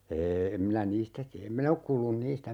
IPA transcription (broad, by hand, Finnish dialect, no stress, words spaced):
eː em minæ niːstæ tiæ em min ok kuːlːun niːstæ